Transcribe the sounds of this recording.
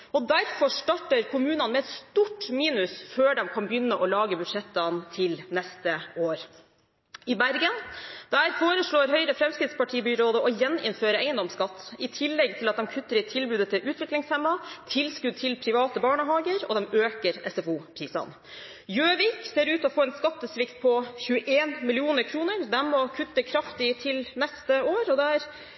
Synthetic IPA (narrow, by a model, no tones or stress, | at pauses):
ɔd̪æɾfɔʂʈɑʈːəɾkʰʊmʉːnɑnmɛɛt̪st̪uʈːmiːnʉsføːɖɛmkʰɑnbjʏnːəʔɔlɑːɡəbʉd̪ʂɛt̪ːɑnt̪ʰɪlnɛst̪əoːɾ | ɪbæɾɡənd̪̥æːɾfoːɾəʂɭoːɾɦœʏɾəfɾɛmskɾɪt̪spɑʈʰiːbʏɾoːd̪əʔɔjɛnɪ̰nføːɾəæɪənd̪ɔmskɑt̪ːɪt̪ʰɪlːɛɡ̚t̪ʰɪlɑt̪̚d̪ɛmkʰʉt̪ːəɾɪt̪ʰɪlbʉːd̪ət̪ʰɪlʔʉːt̪ʰʋɪklɪŋshɛmːɑt̪ʰɪlskʉd̪̚t̪ʰɪlpʰɾɪʋɑːt̪əbɑːɳəɦɑːɡəɾɔ̰d̪ɛmøːkəɾɛ̰sɛfuːpʰɾiːsɑ̰n | jøːʋiːkseːɾʉːt̪ɔfoːɛːnskɑt̪ːəsʋɪkt̪̚pʰɔçʉːəʔeːnmɪlɪuːnəɾkʰɾuːnəɾd̪ɛnmɔkʰʉt̪ːəkʰɾɑft̪ɪt̪ʰɪlnɛst̪əoːɾɔd̪ɛæɾ